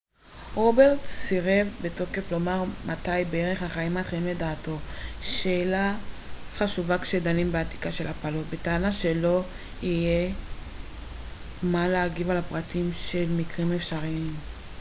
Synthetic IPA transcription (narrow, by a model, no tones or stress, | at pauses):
ʁo̞beʁtsiʁe̞vbeto̞ke̞flo̞maʁmatajbeeʁe̞χhaχaimatχimle̞daːto̞ʃeːlaχaʃuvakʃe̞danimbeati̥kaʃe̞lapalo̞tbe̞taːnaʃe̞lo̞ | ije̞ | maleaɡivalapʁatimʃe̞lmikʁime̞fʃaʁiim